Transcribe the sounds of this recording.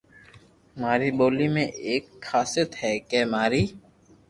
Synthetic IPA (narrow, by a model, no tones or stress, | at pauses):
maːɾiboːlimẽʔeːkxaːsɪt̪ɦɛkɛːmaːɾiː